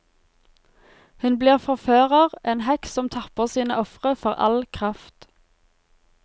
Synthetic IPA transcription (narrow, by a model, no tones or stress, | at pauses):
hʉnbliːʁfɔʁføːʁəʁʔeːnhɛksɔmt̪ʰɑpəʁsiːnə̰ʔɔfʁəfɔʁɑ̰lkʰʁɑft̪